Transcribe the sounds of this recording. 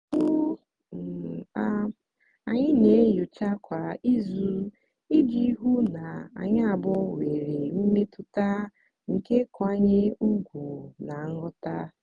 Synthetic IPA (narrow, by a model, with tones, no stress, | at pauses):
u˦ | m̩˨a˦ | a˨ɲɪ˦ne˨˦jʊ˨t͡ʃa˦kʷa˨i˦zu˦ | i˦di˦i˦ɦu˦na˨a̰˨ɲa˦a˨bɔ˦we˨ɾe˨m̩˦me˦tʊ˨ta˦ | ŋ̩˨ke˦kʊ˨a˦ɲɪ˦u˦ɡʷu˨na˨˦ŋʊ˦ta˦